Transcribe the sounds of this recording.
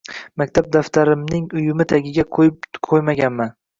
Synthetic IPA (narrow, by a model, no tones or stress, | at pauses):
mak̚ʲt̪ʰab̚d̪aft̪ʰaɾɪmnɪŋʊjʊmɪt̪ʰaɡʲɪɡʲaqʰojmaɡʲanman